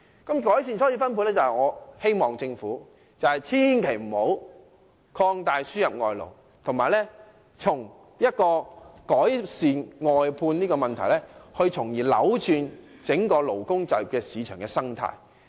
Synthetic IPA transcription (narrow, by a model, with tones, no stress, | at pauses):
kɐ˨˦˥mkɔː˨˥jsiː˨nsʰɔ˨˥jiː˧fɐ˥npʰu˧t̚lɛː˥t͡sɐ˨hɐ˨jŋɔː˨˧he˥jmɔː˨˩ŋt͡sɪ˧ŋfuː˨˥ | t͡sɐ˨whɐ˨jt͡sʰiː˥nkʰe˨˩jm̩˨˩ho˨˥w | kʰɔː˧ŋt̪aː˨jsyː˥jɐ˨p̚ŋɔː˨jlo̰˨˩w | t̪ʰʊ˨˩ŋmaː˨jlɛ˥ | t͡sʰʊ˨˩ŋ | jɐ˥t̚kɔː˧kɔː˨˥jsiː˨˧nŋɔː˨jpʰuː˧nniː˥kɔː˧mɐ˨nt̪ʰɐ˨˩jlɛ˥hɵ˧ɥt͡sʰʊ˨˩ŋjiː˨˩lɐ̰˨˥wt͡ʃyː˧n | t͡sɪ˨˥ŋkɔː˧lo˨˩wkʊ˥ŋt͡sɐ˨˩jkɛː˧siː˨˧t͡ʃʰœː˨˩ŋkɛː˧sɐ˥ŋt̪ʰa̰ː˧j